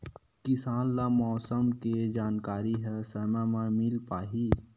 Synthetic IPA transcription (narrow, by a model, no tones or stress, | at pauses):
kɪsaːnlamɔːsəmked͡ʒaːnkaːɾiɦɛsəmɛmãmɪlpaːɦi